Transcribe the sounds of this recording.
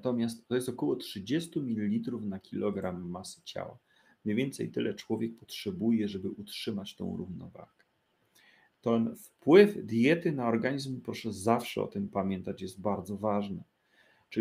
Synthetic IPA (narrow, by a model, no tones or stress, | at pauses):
t̪ɔmʲjast̪ːɔjɛst̪ɔkɔwɔtʂɘd͡ʑɛst̪umʲilʲiːit̪ɾufnakʲilɔɡɾamːasɘ̥t͡ɕa̰wa̰ | mɲejvʲɛnt̪sɛ̰jt̪ɘlɛt͡ʂwɔvʲjɛk̚pɔtʂɛbujɛʐɛbɘʔutʂɘmat͡ɕt̪ɔ̰̃w̃ɾuvnɔ̰va̰ɡ̥ɛ | t̪ɛnfpwɘvd̪jɛt̪ɘnaɔɾɡaɲizmpɾɔʂɛzafʂɛ̰ɔ̰t̪ɘmpamʲjɛnt̪at͡ɕjɛst̪̚baɾd̪zɔvaʐnɛ | t͡ʂ